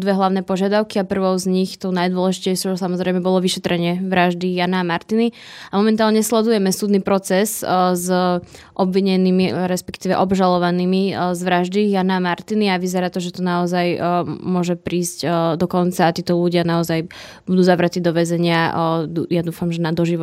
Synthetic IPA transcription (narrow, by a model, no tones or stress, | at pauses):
d̪ʋɛɦlˠaʊnɛːpɔʒɪad̪aʊkiapr̩ʋɔʊzɲixt̪ɔʊnajd̪ʊɔlɛʒicɛɪʃɔʊt͡ʃsamɔzɾɛɪmɛbɔlɔʋiʃɛt̪ɾɛɲɪɛʋɾaʒd̪ijanaːmaɾt̪ini | amɔmɛnt̪aːlɲɛslɛd̪ujɛmɛsuːd̪nipɾɔt͡sɛszʔɔbʋiɲɛniːmiɾɛspɛ̥kt̪iːʋɛʔɔbʒalɔʋaniːmizʋɾaʒd̪ijanaamaɾt̪iniaʋizɛɾaːt̪ɔʒɛt̪ɔnaɔzajmʊɔʒɛpɾiːscd̪ɔkɔnt͡saːt̪iːt̪ɔluɟɪanaɔzaj | bud̪uːzaʋɾat̪iːd̪ɔʋɛzɛɲɪa | jad̪uːfamʒɛnad̪ɔʒiʋ